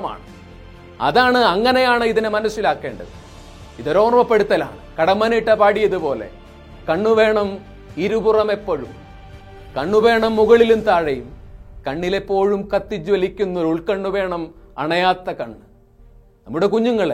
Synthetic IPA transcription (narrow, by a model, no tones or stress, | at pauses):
ma̰ːɳɨ | ɐ̰ðaːɳɨɐŋːɐnejaːɳɨiðinemɐnɐsilaːkːe̞ːɳɖɐ̰ðɨ̰ | iðo̞ɾo̞ːrmɐpːe̞ɽut̪ːɐla̰ːɳɨkɐɽɐmːɐniʈːɐpaːɽijɐðupo̞ːle̞̰ | kɐɳːuʋe̞ːɳɐm | iɾuburɐme̞pːoɻum | kɐɳːuʋe̞ːɳɐmːuɣɐɭilumt̪aːɻɐjumkɐɳːile̞pːo̞ːɻumkɐt̪ːid͡ʑʋɐlikʲːunːɐuɭkɐɳːuʋe̞ːɳɐmɐ̰ɳɐjaːt̪ːɐkɐɳːɨ | nɐmːuɽe̞kuɲːuŋːɐɭe